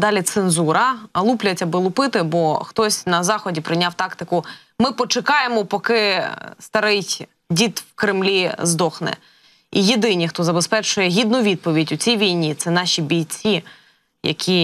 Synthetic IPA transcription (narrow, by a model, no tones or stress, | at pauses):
d̪ɑlʲit̪senzuɾɐɐlˠuplʲɐtʲɐbɪlˠʊpɪt̪ɪbɔxt̪ɔsʲnɐzɑxɔdʲipɾɪjnʲawt̪ɑkt̪ɪkʊ | mɪpɔt͡ʃɪkɑjemɔpɔkɪst̪ɐɾɪ | dʲit̪wkɾɪmlʲizd̪ɔxnɛ̰ | ijed̪ɪnʲixt̪ɔzɐbespɛt͡ʃʊjɛɦʲid̪̚nʊʋʲid̪̚pɔʋʲidʲʊt͡sʲijʋʲijnʲit̪sɛnɑʃʲibʲijt͡sʲi | jɐ̰kʲʰi